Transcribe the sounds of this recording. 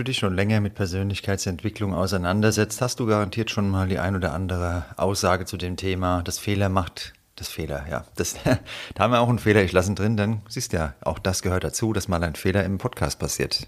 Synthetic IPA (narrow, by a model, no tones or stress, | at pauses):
duːdɪçʃoːnlɛŋɐmɪt̚pʰɛɐzøːnlɪçkʰaɪt͡sɛntv̥ɪklʊŋa̰ʊsaɪnandɐzɛt͡sthast̚d̥uːɡaʁantʰiːɐtʃoːnmaːldiːʔa̰ɪnoːdɐʔandəʁ̞əʔa̰ʊsz̥aːɡət͡sudeːmtʰeːmaːd̥asfeːlɐmaχt | d̥asfeːlɐ̰ja̰ːd̥asd̥aːamviːɐaʊxn̩feːlɐɪçlasən̩dʁɪndanziːstjaːʔa̰ʊxd̥asɡ̥əhøːɐt̚d̥at͡suːd̥asmaːlaɪnfeːlɐɪmpʰɔtkʰa̰ːst̚pʰasiːɐt